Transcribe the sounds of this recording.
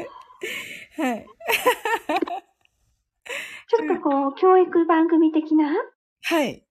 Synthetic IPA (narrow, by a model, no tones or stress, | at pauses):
hai | t͡ɕo̞t̪ːo̞ko̞ːkʲo̞ːikɯ̟bãŋɡɯ̟mʲit̪e̞kʲina | hai